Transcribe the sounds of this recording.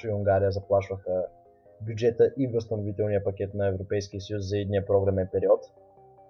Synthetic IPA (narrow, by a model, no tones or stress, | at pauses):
iuŋɡaɾijəzɐplˠaʃvəxə | bʲjud͡ʒɛt̪əʔivəst̪ɐnovit̪ɛlˠnijəpɐk̟ʲɛt̪nɐɛvɾopɛjskijəsɐjuszɐid̪nijəpɾɔɡɾɐmɛnpɛɾiɔt̪